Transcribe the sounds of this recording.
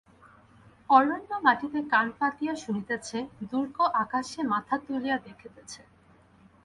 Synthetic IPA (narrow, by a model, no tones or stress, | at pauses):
ɔɾonːomaʈit̪ekanpat̪ijaʃunit̪et͡ɕʰed̪uɾkoʔakaʃemat̪ʰat̪ulijad̪ekʰet̪et͡ɕʰe